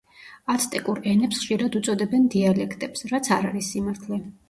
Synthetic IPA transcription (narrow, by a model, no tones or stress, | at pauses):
at̪sʰt̪ʼikʼuɾɛnɛpsχʃiɾad̪ut̪sʼɔd̪ɛbɛnd̪ialɛkʰt̪ʼɛpsɾat̪sʰaɾaɾisːimaɾt̪ʰlɛ